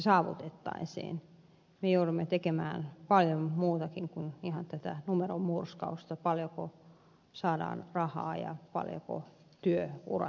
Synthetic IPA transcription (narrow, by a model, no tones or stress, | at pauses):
sɑːʋṵt̪et̪ːɑ̰insḭːn | mejoudumːet̪ekemæːnpɑljommuːt̪ɑkiŋkunihɑnt̪æt̪ænumerommurskɑust̪ɑpɑljoko | sɑːdɑ̰ːnrɑhɑ̰ːjɑ̰pɑ̰ljo̰ko̰ | t̪yøṵrɑ̰